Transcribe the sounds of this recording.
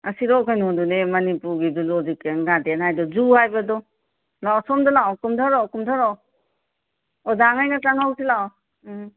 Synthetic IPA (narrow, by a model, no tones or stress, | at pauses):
ɐsiɾɔkʰajnɔndunemɐnipuɾɡidulɔzikeŋɡadenajdɔzuhajbadɔ | lawsɔmdɔlawkumtʰaɾɔwkumtʰaɾɔ | ɔdaŋajnataŋawsilaw